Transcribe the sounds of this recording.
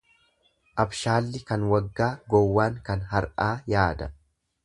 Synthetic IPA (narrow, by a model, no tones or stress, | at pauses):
ʔɐbʃaːlːɪkɐnwɐɡːaːɡɔwːaːŋkɐnɦɐɾʔaːjaːd̪ɐ